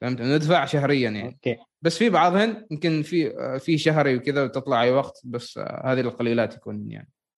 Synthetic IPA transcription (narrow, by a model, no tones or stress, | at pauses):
fahɪmt̪nɪd̪faʕʃaɦɾɪjːanja̰ni | basːfibɑʕðˤhɪnjɪmkɪnfifiːʃaɦɾwkɪðawt̪ɨt̪ˤlɑʕawɑqt̪basːhaːðilqɑliːlaːt̪jakuːnja̰ʕni